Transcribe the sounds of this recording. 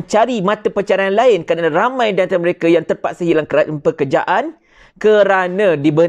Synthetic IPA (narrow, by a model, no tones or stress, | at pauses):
ɲt͡ʃaɾimãt̪əpət͡ʃaɾaanlaɪnkadaɾamãjdant̪aməɾekajaŋt̪ərpat̪̚səɦilakapəkərd͡ʒa̰ʔan | kəɾanãdibə